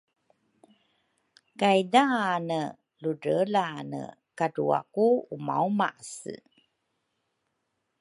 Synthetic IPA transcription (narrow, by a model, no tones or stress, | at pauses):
kajdanə | luɾəlanə̰ | kaɾua̰kuuma̰wmaʔsə̰